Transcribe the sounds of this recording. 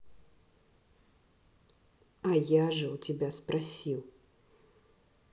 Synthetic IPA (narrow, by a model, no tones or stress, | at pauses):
ɐjaʐəwt͡sʲɪbʲaspɾasʲiw